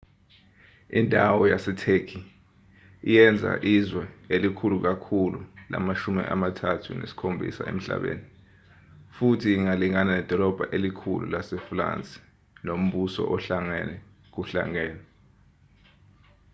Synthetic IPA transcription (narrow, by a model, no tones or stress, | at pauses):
ḭndʱawɔjasɛtʰekʰi | ijɛnd͡zʱa̰ʔizwɛelikʰuluk̬akʰulula̰maʃumḭʔa̰matʰatʰṵnḛsi̥kʰombʱḭsa̰ḛm̩ɬa̰ɓḛːni | futʰiːŋaliŋananɛd̥ʱɔlɔb̥ʱaʔelikʰulṵlasɛfra̰nt͡sʼi̥ | nom̩ɓusɔ̰ʔɔɬaŋɛnɛ | k̬uɬa̰ŋɛːnɛ